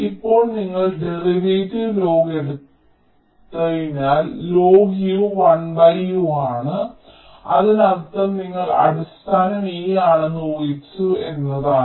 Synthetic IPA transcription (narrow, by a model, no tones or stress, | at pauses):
ipːo̞ːɭniŋːɐɭɖeriʋeːtiʋlo̞ːɡeɽut̪ː | ɐðinaːllo̞ːɡijuʋɐɳbɐjumaːɳɨ | ɐ̰ðinɐrt̪ːɐmniŋːɐɭɐ̰ɽust̪ʰaːnɐmiːjaːɳɨnoːjit͡ɕːue̞nːɐðaː